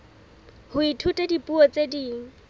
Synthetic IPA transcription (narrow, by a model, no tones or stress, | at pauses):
hʊitʰutʼɛdipʼuɔt͡sʼediːŋ̩